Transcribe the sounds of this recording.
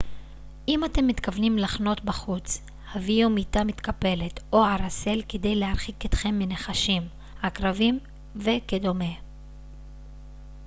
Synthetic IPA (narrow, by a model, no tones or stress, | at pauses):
ʔimate̞mːit̪kavnimlaχno̞tbaχut͡s | haviomitamit̪kape̞le̞t̪o̞aɾase̞lkede̞jleaʁχiket̪χe̞mːeneχaʃim | hakʁavim | ve̞kedo̞me̞